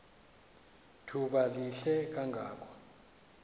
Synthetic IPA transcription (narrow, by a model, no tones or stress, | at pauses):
tʰuɓaliɬɛk̬aŋɡʱaːkʰɔ̥